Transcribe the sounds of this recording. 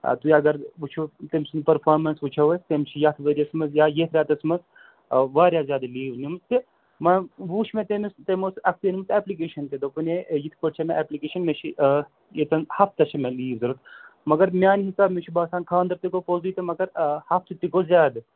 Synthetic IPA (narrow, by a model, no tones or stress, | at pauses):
t̪ujɐɡɐɾʋut͡ʃʰut̪emsɨnpɐɾpʰaːɾmɐnsʋut͡ʃʰɐʋɐsʲt̪emt͡ʃʰijɐt̪ʰʋɐɾʲiɐsmɐzjaːjet̪ʰɾʲaːt̪ɐsmɐz | ʋaːɾʲjaːzʲaːd̪liːʋnʲimst̪ʰi | mɐʋuːʃʰmẽt̪emist̪emosɐk̚t̪inimsɛːplik̬eːʃɐnt̪ed̪opɨnejit̪ʰpɐɽt͡ʃʰɐmẽʔɛːplikeːʃɐnmet͡ʃʰi | jet̪ɐnhɐft̪ɐʃʰɐmʲẽliːʋzɐɾɐt̪ʰmɐɡɐɾmʲjaːnɦisaːbmet͡ʃʰibaːsaːnkʰaːnd̪ɐɾt̪ikopozujit̪imɐɡɐɾhɐft̪ʰɨt̪ikozʲaːd̪